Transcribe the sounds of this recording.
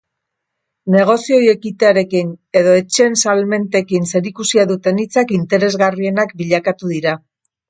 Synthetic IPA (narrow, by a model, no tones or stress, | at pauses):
ne̞ɣ̞o̞sioje̞kit̪e̞aɾe̞kine̞ðo̞e̞t͡ʃe̞nsalme̞nt̪e̞kinse̞ɾikusiaðut̪e̞nit͡sakint̪e̞ɾe̞zɣarie̞nakbiʎakat̪uðiɾa